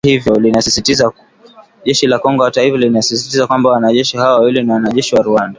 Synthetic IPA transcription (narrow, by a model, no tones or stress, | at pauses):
hivjɔlinasisitiza | ʄɛʃilakɔŋɡɔhataifalinasisi̥tizakwambawanaʄɛʃihawawwilinawanaʄɛʃiwaɾuanda